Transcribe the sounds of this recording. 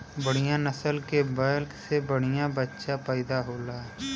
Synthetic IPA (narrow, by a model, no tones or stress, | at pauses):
bəɽ̤ɪjãnəsəlkebaːlksebəɽ̤ɪjãbətːʃãpəːd̪aɦoːlaː